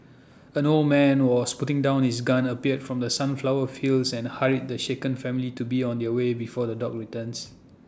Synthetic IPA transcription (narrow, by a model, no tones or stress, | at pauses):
ɛ̃noldmɛ̃nwɔsputɪ̃ŋdãʊ̃nhisɡãnəpiətfɹɔ̃mdəsãnflawəfilsɛ̃nhaɹit̚dəʃekə̃nfɛ̃militubiɔ̃ndɛəwebifɔdədɔk̚ɹitə̃ns